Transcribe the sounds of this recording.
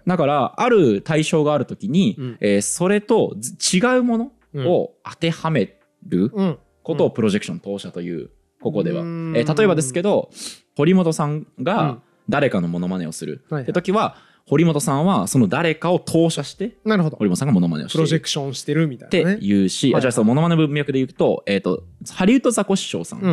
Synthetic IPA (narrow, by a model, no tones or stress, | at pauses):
d̪akaɾaaɾɯ̟t̪aiɕo̞ːɡaːɾɯ̟t̪o̞kʲiɲ̟ieːso̞ɾe̞t̪o̞t͡ɕiɡaɯ̟mo̞no̞ː | at̪e̞hame̞ | ɾɯ̟ | ko̞t̪o̞ːpɯ̟ɾo̞ʑe̞kɯ̥ɕõ̞nt̪o̞ːɕat̪o̞jɯ̟̰ː | ko̞ko̞d̪e̞̰βa̰et̪at̪o̞e̞bad̪e̞sɨ̥ke̞d̪o̞ho̞ɾʲimo̞t̪o̞sãŋɡa | d̪aɾe̞kano̞mo̞no̞mane̞̰o̞sɨɾɯ̟̰ːet̪o̞kʲiβa | ho̞ɾʲimo̞t̪o̞sãɰ̃βaso̞no̞d̪aɾe̞kao̞t̪ʰo̞ːɕaɕi̥t̪e̞naɾɯod̪oho̞ɾimotosaŋɡamo̞no̞ma̰neoɕɯɾoekɯ̥ɕõɕi̥t̪eɾɯ̟mʲit̪at̪e̞jɯ̟ːɕiaaaasonmo̞no̞manebɯ̟̃mjakɯ̟d̪e̞jɯ̟ːt̪o̞e̞ːt̪ːo̞̰haɾʲiɯ̟t̪o̞zako̞ɕi̥ɕo̞̰ːsã̰ŋ